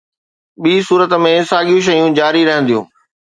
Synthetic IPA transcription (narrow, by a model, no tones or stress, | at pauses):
ɓiːsuːɾət̪mẽsaːɡijũʃ̬ɐjũd͡ʑaːɾiɾɐɦə̃nd̪ijũː